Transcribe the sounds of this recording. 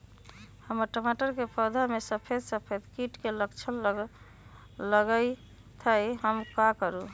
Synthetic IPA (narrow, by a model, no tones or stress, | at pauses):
həməɾʈəmaʈəɾkepəd̪ʱamesəpʰed̪səpʰed̪kiʈkeləkt͡ʃʰən | ləɡəj | t̪ʰəjɦəmkakəɾu